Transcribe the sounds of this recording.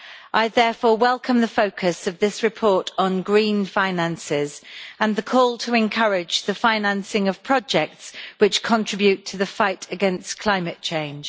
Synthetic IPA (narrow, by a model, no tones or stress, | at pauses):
ʔaɪðɛːfɔːwɛlˠkʰə̃mðəfəʊkʰəsəvðɪsɹɪpʰɔɹtn̩ɡɹĩːnfãɪ̃nãnsɪzə̃nðəkʰɔːlˠtʰəɪ̃nkʰʌɹɪd͡ʒðəfãɪ̃nãnsɪ̃ŋəv̥pʰɹ̥ɒd͡ʒɛk̚tswɪt͡ʃkʰə̃ntʰɹ̥ɪbjʉtʰəðəfaɪtʰəɡɛ̃nskʰl̥ãɪ̃mət̚t͡ʃʰẽɪ̃nd͡ʒ̥